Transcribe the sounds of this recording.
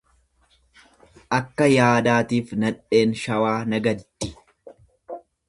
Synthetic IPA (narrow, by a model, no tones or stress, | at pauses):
ʔɐkːɐjaːd̪aːt̪iːfnɐᶑe̞ːnʃɐwaːnɐɡɐd̪ːɪ̥